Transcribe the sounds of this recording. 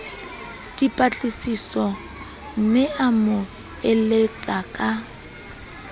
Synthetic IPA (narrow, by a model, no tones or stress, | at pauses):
tʼipʼat͡ɬʼisisɔ | m̩mɪamʊ | elet͡sʼakʼa